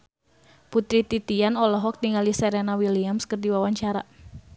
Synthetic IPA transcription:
put̪ɾit̪it̪ianɔlɔɦɔk̚t̪iŋalisɛɾenawiliamskərdiwawaɲt͡ʃaɾa

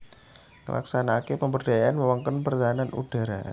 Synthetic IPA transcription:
kə̰lʔa̰ksanakepəmbərdajaʔanməwaŋkənpərt̪aɦananṵd̥a̤ɾa̰

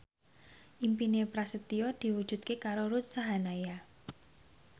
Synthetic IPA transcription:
ʔimpinepɾasət̪iɔd̪̥i̤wud̥ʒ̥ṳt̪̚kekaɾoɾut̪̚saɦanaja

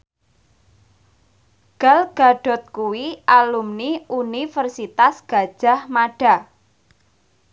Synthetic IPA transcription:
ɡ̥a̤lɡ̥a̤ɖ̥ɔ̤t̪̚kuwialumniunifərsit̪asɡ̥a̤d̥ʒ̥a̤hmaɖ̥a̤

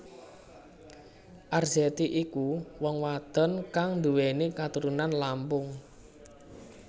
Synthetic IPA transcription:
ʔarz̥ɛt̪iʔikuwɔŋwad̪̥ɔ̤nkaŋnd̪uwenekat̪uɾunanlampʊŋ

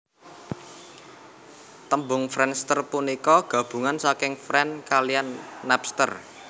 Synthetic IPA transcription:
t̪əmbʊŋfɾɛnst̪ərpunikɔɡ̥ä̤b̥ṳŋansakɪŋfɾɛnkalijanːɛpst̪ə̰r

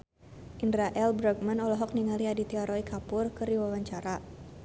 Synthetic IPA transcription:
ʔindɾaʔɛlbɾaɡmanɔlɔɦɔk̚niŋaliadit̪iaɾɔikʰapʊrkɨrdiwawaɲt͡ʃaɾa

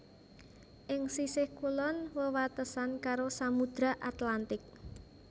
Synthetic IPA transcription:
ʔɪŋsisɪhkulɔnwəwat̪əsankaɾosamud̪̥ɾaʔat̪lant̪ɪk̚

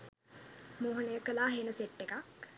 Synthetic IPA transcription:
muɦunəjəkəlaːɦeːnəseʈːekak

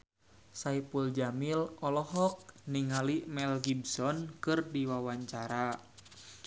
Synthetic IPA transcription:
saipuld͡ʒamilɔlɔɦɔk̚niŋalimɛlɡibsɔnkɨrdiwawaɲt͡ʃaɾa

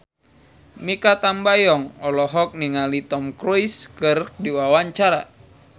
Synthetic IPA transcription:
mikat̪ambajɔŋɔlɔɦɔk̚niŋalit̪ɔmkɾuiskɨrdiwawaɲt͡ʃaɾa̰

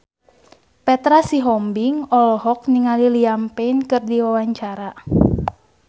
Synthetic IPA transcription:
pɛt̪ɾasiɦɔmbiŋɔlɔɦɔk̚niŋaliliampɛinkɨrdiwawaɲt͡ʃaɾa

